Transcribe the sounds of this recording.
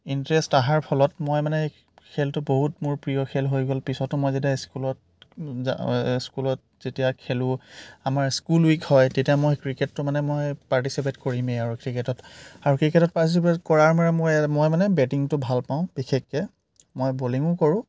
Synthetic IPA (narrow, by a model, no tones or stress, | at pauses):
intɹɛstaɦaɹpʰɔlɔtmojmanɛ | kʰeltʊboɦutmʊɹpɹijɔkʰɛlɦojɡɔlpisɔtʊmɔjzetiaskulɔt̚ | askulɔt̚z̥etijakʰelʊ̃amaɹskulwikhɔjtetijamojkɹiketːʊmanɛmojpaɹtisip̬etkoɹimeaɹukɹiketɔtaɹukɹiketɔt̚paɹtis̬ipetkɔɹaɹmaɹɛmojmojmanɛbɛtiŋtʊbʱalpãʊ̃b̥ikʰekːɛ | mojboliŋʊkɔɹʊ̃